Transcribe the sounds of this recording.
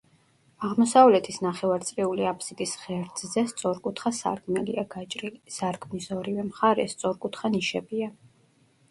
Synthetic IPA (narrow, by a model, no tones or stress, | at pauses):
aʁmɔsavlɛt̪ʰisnaχɛvaɾt̪sʼɾiuliapʰsid̪ʼisχɛɾd̪zzɛst̪sʼɔɾkʼut̪ʰχasa̰ɾkʰmɛliaɡ̥at͡ʃʼɾilisaɾkʰmnisɔɾivɛmχaɾɛ̰st̪sʼɔɾkʼut̪ʰχaniʃɛbia